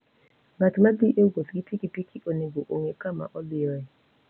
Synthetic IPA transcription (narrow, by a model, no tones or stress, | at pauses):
matʰimadiʔeuɡoskitʰikʼipʼikʰiʔoneɡɔʔoŋɛkʰʼama̰ʔɔlijɔjɛ